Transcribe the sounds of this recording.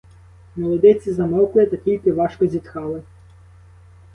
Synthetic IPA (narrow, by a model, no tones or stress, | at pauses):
mɔlˠɔd̪ɪt͡sʲizɐmɔwklˠɪt̪ɐtʲilʲkɪʋɑʃkɔzʲit̪xɑlˠɪ